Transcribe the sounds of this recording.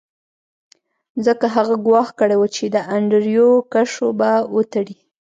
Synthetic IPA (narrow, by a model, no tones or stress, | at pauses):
zəkaɦaɣaɡwɑxkəɽewət͡ʃed̪əaɳɖəɾjokaʂobawot̪aɽi